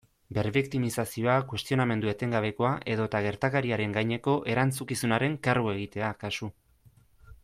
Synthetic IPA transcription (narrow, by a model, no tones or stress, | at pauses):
be̞ɾβikt̪imisasio̞akwe̞st̪io̞name̞nd̪ue̞t̪e̞ŋɡaβ̞e̞ko̞aʔe̞ðo̞t̪aɣ̞e̞ɾt̪akaɾiaɾe̞ŋɡajɲe̞ko̞ʔe̞ɾant͡sukisunaɾe̞ŋkarue̞ɣ̞it̪e̞akasu